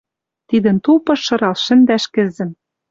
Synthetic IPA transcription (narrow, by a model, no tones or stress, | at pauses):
t̪id̪ɘ̆nt̪ulpɤ̆ʃːɤ̆ɾɑlʃɘ̆nd̪æʃkɘ̆zɘ̆m